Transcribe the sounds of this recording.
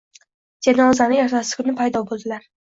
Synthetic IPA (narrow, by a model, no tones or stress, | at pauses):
d͡ʒanɒzanɪjɒɾt̪ʰasɪ̥kʰʊnɪpʰajd̪ɒbolˠd̪ɪlaɾ